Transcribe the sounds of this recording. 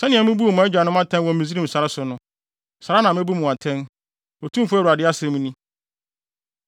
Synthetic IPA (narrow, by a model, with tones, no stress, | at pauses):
sɛ˦nɪ̃˨ɛ˨mʊ̃˦bu˦o˨mã˨˦ɛ˦d͡ʑᶣa˨nʊ̃˦a˦tʰɛ̃˦nwɔ̃˨˦mĩ˨zi˦ɾĩ˦˨m̩˨sa˨ɾa˦sʊ˨nʊ̃˦ | sa˨ɾa˦nã˨mɛ̃˦bu˦mʊ̃˨a˨tʰɛ̃˦n | o˨tʰũ˦m˦fʊ˦æ˦wu˨ɾa˨dɪ˦a˦sɛ̃˨˦mũ˦nĩ˦